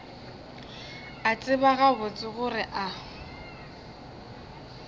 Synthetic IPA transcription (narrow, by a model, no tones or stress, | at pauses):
at͡sʼɪbaɣabʊt͡sʼɪɣʊɾɪʔa